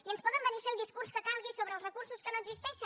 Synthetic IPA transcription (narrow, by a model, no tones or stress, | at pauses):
iənspɔðəmbənifelˠd̪iskurskəkalˠɣisoβɾəlˠrəkursuskənoəɡzist̪ɛʃə